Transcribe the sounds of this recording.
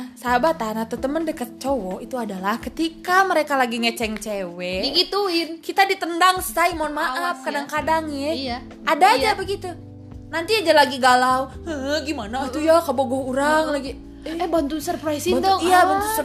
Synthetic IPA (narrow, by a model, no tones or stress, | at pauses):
sabat̪anat̪ət̪əməndəkət̪̚t͡ʃowɔʔit̪uadalahkət̪ikaməɾekalaɡiŋət͡ʃɛŋt͡ʃewɛɡit̪uinkit̪adit̪əndaŋst̪aimanmaʔap̚kadaŋkadaŋjɛ | adaːjd͡ʒabəɡit̪u | nant̪iad͡ʒalaɡiɡalawəɦəɡimanat̪ujakaboɡɔhuɾaŋlaɡi | ɛbant̪unsərpɾajsidɔijabant̪usə